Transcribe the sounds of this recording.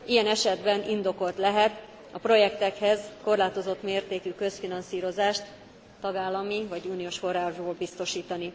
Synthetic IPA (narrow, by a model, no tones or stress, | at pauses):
ijɛnɛʃɛd̪bɛnind̪o̞ko̞lt̪lɛɦɛt̪ | ɒpro̞jɛkt̪ɛkhɛzko̞rlaːt̪o̞zo̞t̪meːrt̪eːkykø̞sfinɒnsiːɾo̞zaːʃt̪ː | ɒɡaːlːɒmivɒɟuːnijoːʃfo̞raːʒboːlbist̪o̞ʃiːt̪ɒni